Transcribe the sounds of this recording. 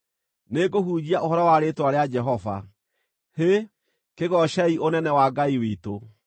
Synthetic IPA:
neɡoɦuːd͡ʑiaʔoɦɔɾɔwaɾetoaɾead͡ʒɛɦɔva̰ | he | keɣɔʃɛiʔonɛnɛwaɡaiwito

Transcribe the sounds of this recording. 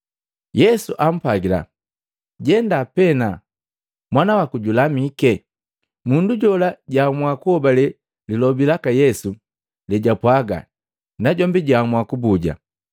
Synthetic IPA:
jɛsuʔam̩paɡila̰ | ɟɛndapɛna | mwanawakuɟulamikɛ | munduɟɔlaɟamwakuhɔbalɛ | lilɔbilakajɛsu | lɛɟapwaɡa̰ | naɟɔmbiɟamwakubuɟa̰

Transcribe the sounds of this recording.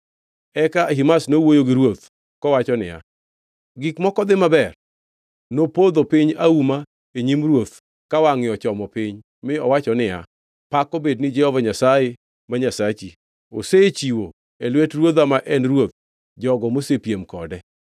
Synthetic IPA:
ɛkaɦimasnowojoɡɪɾwot̪ | kɔwat͡ʃɔnɪ̰ja̰ | ɡɪkmɔkɔd̪ɪmabɛr | nopod̪opɪɲauma | eɲimɾwot̪̚ | kawaŋɪɔt͡ʃɔmɔpɪɲ | mɪɔwat͡ʃɔnɪja̰ | pakɔbednɪd͡ʒɛhɔvaɲasaje | maɲasat͡ʃi | o̰set͡ʃiwo | elwetrwod̪amaʔɛnɾwot̪̚ | d͡ʒɔɡɔmosepjemkɔdɛ

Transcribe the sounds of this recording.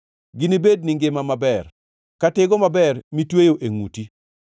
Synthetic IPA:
ɡinibed̚niŋɡɪmamabɛr | katɪɡɔmabɛrmitwejoʔeŋṵti

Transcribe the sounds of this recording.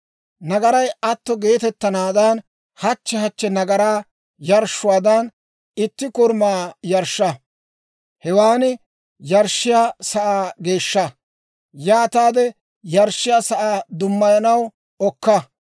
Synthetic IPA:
nɐɡɐɾɐjʔɐt̪ːɔɡe̞ːt̪ɛt̪ːɐnaːd̪ɐn | hɐt͡ʃːɛhɐt͡ʃːɛnɐɡɐɾaː | jɐɾʃʊwaːd̪ɐn | ɪt̪ːɪkʊɾmaːjɐɾʃːɐ | hɛwaːnɪ | jɐɾʃːɪjaːsɐʔaːɡe̞ːʃːɐ | jaːt̪aːd̪ɛ | jɐɾʃːɪjaːsɐʔaːd̪ʊmːɐjɐnɐw | ɔkːɐ

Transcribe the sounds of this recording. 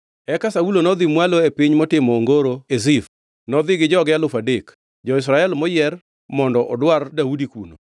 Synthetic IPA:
ɛkasaulonɔd̪ɪmwaloepiɲmɔtɪmɔːŋɡoɾoezif | nɔd̪ɪɡɪd͡ʒɔɡɪjalʊfadek | d͡ʒɔɪs̬ɾaɛlmɔjɛr | mɔndɔʔɔdwardaudikuno

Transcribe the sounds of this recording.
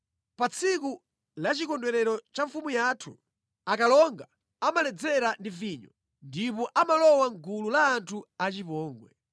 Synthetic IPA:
pat͡sʰiku | lat͡ʃikɔndwɛɾɛɾɔt͡ʃaɱfumujatʰu | akalɔŋɡa | amalɛd͡zɛɾandiviɲɔ | ndipɔʔamalɔwaŋkululaːntʰuat͡ʃipɔːŋɡwɛ̰

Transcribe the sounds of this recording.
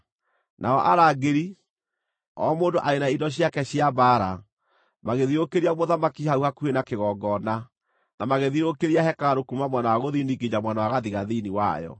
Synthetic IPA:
nʔa̰ɔʔaɾaɡeɾi | ɔmoːndoʔaɾenaidɔɕ̬jakɛɕjabaːɾa̰ | maɣeðiɾokeɾiamoðamakihauhakuenakeɣɔːɡɔna | namaɣeðiɾokeɾiahɛkaɾokumamwanawaɣoðiniɡed͡ʑamwanawaɣaðiɣaðiniwa̰jɔ̰

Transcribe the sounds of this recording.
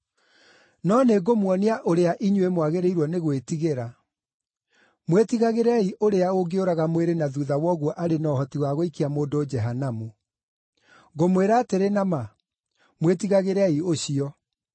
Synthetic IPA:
nɔneɡomwɔneaʔoɾeaʔiɲwemwaɣeɾeiɾwɔneɣwetiɣeɾa | mwetiɣaɣeɾɛiʔoɾeaoɡeoɾaɣamweɾenaðuðawɔɣwɔʔaɾenɔhɔtiwaɣoikiamoːdoːd͡ʒɛɦanamu | ɡomweɾaːteɾenama | mwetiɣaɣeɾɛioɕiɔ

